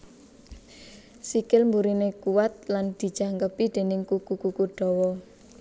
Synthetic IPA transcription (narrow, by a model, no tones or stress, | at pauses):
sikɪlmbuɾinekuwat̪̚land̪̥i̤̥d͡ʒ̥aŋkəpid̪̥e̤nɪŋkukukukuɖ̥ɔ̤wɔ